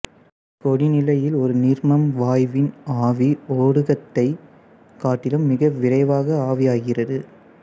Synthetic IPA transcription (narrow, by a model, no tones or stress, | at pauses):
kɔɽinɪlɐjɪlɔɾɯnɪɾmɐmʋaːjʋɪnaːʋioːɽɯɣɐt̪ːɐɪ | kaːʈːɪlɯmːɪɣɐʋɪrɐɪʋaːɣɐaːʋɪjaːɣɪrɐðɯ